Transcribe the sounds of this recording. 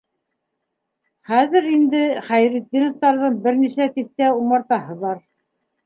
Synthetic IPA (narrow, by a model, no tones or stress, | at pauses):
χæðɘɾind̪ɘχæjɾit̪̚ʲːinŏst̪ɑɾðɤɴbɘ̆ɾniʃæt̪iθt̪æumɑɾt̪ɑɦɤ̆βɑɾ